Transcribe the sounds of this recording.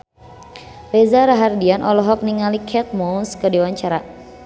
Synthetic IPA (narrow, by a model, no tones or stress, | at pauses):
rɛzaɾaɦardianʔɔlɔɦɔk̚niŋalikʰɛt̪̚mɔnskədiwaɲt͡ʃaɾa